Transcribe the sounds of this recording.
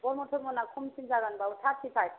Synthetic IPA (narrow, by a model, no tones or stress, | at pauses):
bɔɾmɔtʰɔmɔnakʰumsinzaɡanbautʰasipʰaj